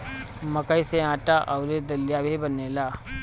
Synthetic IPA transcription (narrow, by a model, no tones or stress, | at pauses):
məkəiseãːʈaʔɔʊɾed̪əljabʱebəneːlaː